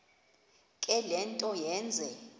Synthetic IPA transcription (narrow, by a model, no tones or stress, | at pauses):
kʼɛlɛntʼɔjɛːnd͡zʱɛ